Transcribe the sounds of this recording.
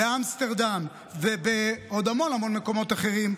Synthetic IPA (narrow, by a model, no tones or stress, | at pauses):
eamst̪eʁd̪am | vebeod̪amo̞nhamo̞nmeko̞mo̞t̪aχe̞ʁim